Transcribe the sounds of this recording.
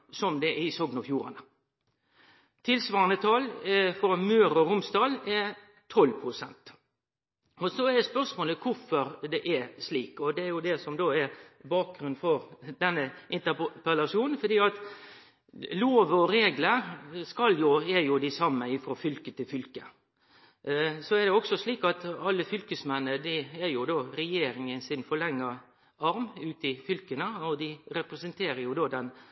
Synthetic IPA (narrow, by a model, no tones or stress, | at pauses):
sɔmd̪ɛʔɪsoːɡnɑfjuːɾɑ̰nə | t̪ʰɪlsʋɑːɾənət̪ʰɑlfɔɾmøːɾɔɾʊmsd̪ɑːlɛɾ | t̪ʰɔlpʰɾʊsɛnt̪ | ɔsɔɛɾd̪ɛspœɾʂmoːləkʰʊfɔɾd̪ɛʔɛsliːkɔd̪ɛæɾjʊd̪ɛsɔmd̪oːɛɾbɑːk̚ɡɾʉnfɔɾd̪ɛnːəʔɪnt̪əpəlɑʂuːnn̩fɔd̪iːɑt̪ | loːʋɔɾeːɡləɾskɑljʊæɾjʊd̪ɪsɑmːəɪfɾoːfʏlkət̪ʰɪlfʏlkə | sɔɛɾd̪ɛɔksɔsliːkɑt̪ɑlːəfʏlkəsmɛnːəd̪ɪæɾjʊd̪oːɾɛjeːɾɪŋənsɪnfɔɭɛŋːə | ɑɾmʉːt̪ɪfʏlkənəɔd̪ɪɾɛpɾɛsənt̪ʰeːɾəjʊd̪oːd̪ɛn